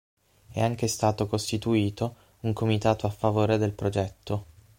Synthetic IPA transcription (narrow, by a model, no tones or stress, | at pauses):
ɛ̰aŋk̟est̪aːt̪okost̪it̪uiːt̪o | uŋkomit̪aːt̪oafːavoːɾed̪elpɾod͡ʒɛt̪ːo